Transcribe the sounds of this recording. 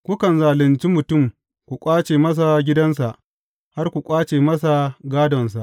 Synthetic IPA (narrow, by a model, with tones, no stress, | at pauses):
kʷʊ˦kɐ˨nzaː˨lɪ˨nt͡ʃi˦mʊ˨tʊ˦˨m | kʷu˨kʷʼaː˦t͡ʃeː˨mɐ˦s̬a˨ɡʲɪ˦dɐ˦ns̬a˨ʔ | ha˦rkʷu˨kʷʼaː˦t͡ʃeː˨mɐ˦s̬a˨ɡaː˦dɔ˨ns̬a˨ʔ